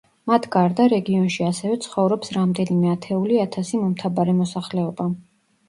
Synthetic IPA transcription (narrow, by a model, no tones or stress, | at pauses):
mat̪ʰɡaɾd̪aɾɛɡiɔnʃiasɛvɛt̪sʰχɔvɾɔpsɾamd̪ɛnimɛat̪ʰɛuliat̪ʰasimɔmt̪ʰabaɾɛmɔsaχlɛɔba